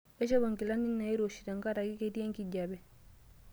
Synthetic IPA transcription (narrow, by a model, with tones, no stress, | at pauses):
e˦t͡ʃe˦bo˨ŋki˨la˦ni˦nːa˨i˦ɾo˨ʃi˨ta˨ŋka˦ɾa˨ki˦ke˦ti˦e˦ŋki˨ɟa˨bɛ˨